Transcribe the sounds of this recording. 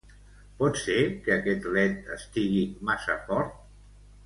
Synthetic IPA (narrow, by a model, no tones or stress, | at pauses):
pɔt̪sekəːkɛt̪lɛt̪əst̪iɣimasa̰fɔɾt̪̚